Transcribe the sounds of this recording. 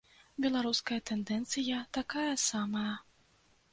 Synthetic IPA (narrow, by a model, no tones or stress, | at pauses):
bʲɛlˠaɾuskɐjɐt̪ɛnd̪ɛnt̪sɨjɐt̪akajɐsamɐjɐ